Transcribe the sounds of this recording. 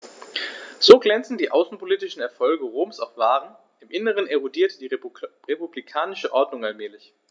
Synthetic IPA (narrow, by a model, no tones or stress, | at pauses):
z̥oːɡlɛnt͡sn̩diːʔaʊsn̩pʰoliːtɪʃn̩ɛɐfɔlɡəʁoːmsaʊfv̥aːʁən | ɪmʔɪnəʁ̞əneʁodiːɐtd̥iːʁepublikʰaːnɪʃəʔɔɐdnʊŋalmɛːlɪç